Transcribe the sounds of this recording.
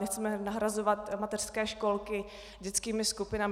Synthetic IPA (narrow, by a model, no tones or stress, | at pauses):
ɲɛxt͡sɛmɛnaɦɾazovat̪mat̪ɛr̥skɛːʃko̞lkɪ | ɟɛt͡skiːmɪskupɪnam